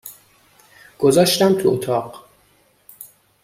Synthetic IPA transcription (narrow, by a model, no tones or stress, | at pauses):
ɡ̥ozɒːʃt̪æmt̪ʰuot̪ʰɒːɢ